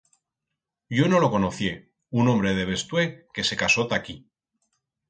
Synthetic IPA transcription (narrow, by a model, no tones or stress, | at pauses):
ɟ͡ʝono̞lo̞ko̞noθje̞ | unombɾe̞ð̞e̞β̞e̞st̪we̞ke̞se̞kaso̞t̪aki